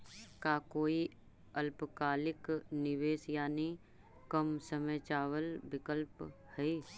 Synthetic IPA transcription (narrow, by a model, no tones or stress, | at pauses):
kaːkoːi | əlpkaːlɪknɪʋeːsjaːni | kəmsəmet͡ʃaːwəlbɪkəlp | hɛiː